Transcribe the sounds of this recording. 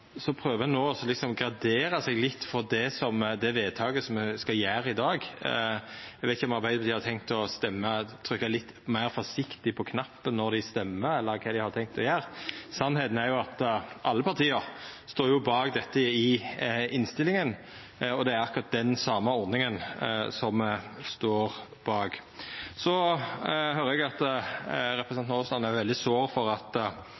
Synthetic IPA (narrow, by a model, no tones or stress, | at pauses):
sɔpʰɾøːʋəɛnːoːɔsɔlɪksɔmɡɾɑd̪eːɾɑsɛɡlɪt̪ːfɔɾd̪ɛsɔmd̪ɛʋeːd̪̚t̪ʰɑːɡəsɔmskɑjæːɾɪd̪ɑːɡ | æɡʋɛɪt̪ɪçɔmɑɾbæɪd̪əpʰɑt̪iːɑɾt̪ʰɛŋkt̪ɔst̪ɛmːət̪ʰɾʏkːɑlɪt̪ː | mæɪɾfɔʂɪkt̪ɪpʰɔkʰnɑpːənːɔɾd̪ɪst̪ɛmːəɛlːəɾkʰɑd̪ɪhɑɾt̪ʰɛŋk̚t̪ɔjæːɾsɑnːheːt̪n̩æɾjʊɑt̪ʔɑlːəpʰɑɾt̪ʰiːəɾst̪oːɾjʊbɑːɡd̪ɛt̪ːəɪɪnst̪ɪlːɪŋən | ɔd̪ɛæɾɑkːʊɾɑt̪̚d̪ɛnsɑːməɔɾnɪŋənsɔmst̪oːɾ | b̥ɑːɡ | sɔ | høːɾəɛɡɑt̪ | ɾɛpɾəsnnɔslɑnæʋɛld̪ɪsoːɾfɔɾɑt̪